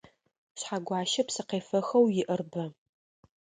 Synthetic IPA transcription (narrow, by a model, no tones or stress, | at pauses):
ɕħaɡʷɑːʃɐpsɨqeːfɐxɐwjɪʔɐrbɐ